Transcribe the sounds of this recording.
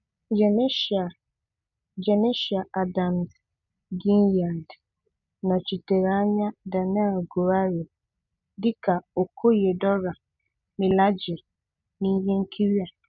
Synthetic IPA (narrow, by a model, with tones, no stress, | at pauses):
d͡ʒɛ˨ne˦ʃa˨ | d͡ʒɛ˨ne˦ʃi˨a˨ʔa˨da˨mz | ɡi˦nja˨nd | nã˨t͡ʃi˨te˨ɾa˨˦ɲã˦da˨n˦ɛ˦˨lɡo˨ɾa˦ɾe˨ | dɪ˦kʰa˨o˨kʰo˦je˨dɔ˦ɾa˨ | nɪ̃˨la˦d͡ʒɪ˨ɾ | nĩ˦ɲẽ˦ŋ̩˦kʰi˦ɾi˦a˨